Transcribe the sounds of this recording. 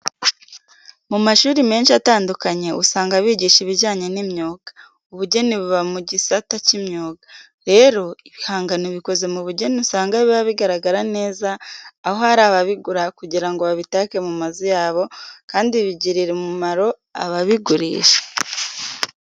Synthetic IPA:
mumaʃuːɾime̞ːnʃiataːndukaɲe̞usaːŋɡaβiːɟiːʃiβiɟaːɲe̞nimɲoːɡ̥ḁ | uβuɟe̞niβuβamuɟisatacimɲoːɡa | ɾe̞ːɾo̞iβihaːŋɡaniβiko̞ze̞muβuɟe̞nisaːŋɡaβiβaβiɡaɾaɡaɾane̞ːzaːho̞haɾaːβaβiɡuɾakuɟiɾaŋɡoβaβitaːke̞mumazojaːβo̞kaːndiβiɟiɾiɾemuumaɾo̞ | a̰βaβiɡuɾḭːʃe̥

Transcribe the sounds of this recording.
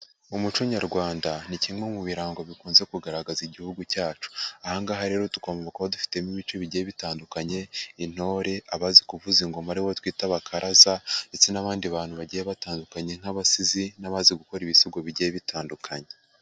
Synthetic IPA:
umut͡ʃuɲaɾɡwaːndanicimweumuβiɾaːŋɡo̞βikuːnze̞kuɡaɾaɡaziɟihuɡucaːt͡ʃu̥ahaŋɡaːɦaɾe̞ːɾo̞tu̥koamaβakuβadufi̥te̞miβit͡ʃo̞βiɟijeβitaːndukaɲe̞in̥o̞ːɾe̞ʔaβazikuvuziŋɡo̞maɾiwotwiːtaβakʰaɾʔazandet͡senaβaːndiβaːn̥huβaɟijeβataːndukaɲe̞ŋ̥haβasizinaβaziɡuko̞ɾiβisuɡoβiɟijeβitaːndukʰaɲe̞

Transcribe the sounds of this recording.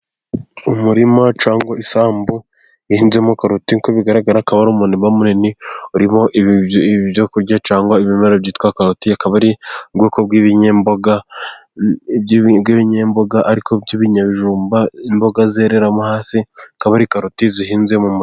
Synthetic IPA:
umuɾimat͡ʃaːŋɡwaisaːmbo | ihiːnzemukaɾutiŋkoβiɡaɾaɡaɾakaβaɾumuːniβamuɾeniuɾimoʔ | βjokuɾjɟat͡ʃaːŋɡwaiβimeɾabɟiːtkwakaɾutiakaβaɾiɡweːkobɡwiβiɲembo̞ɡa | bɡwiβiɲeːmbo̞ɡaʔaɾikobjiβiɲaβiʒuːmbaimbo̞ɡazeɾeɾamuhaːsiakaβaɾikaɾutizihiːnzemum

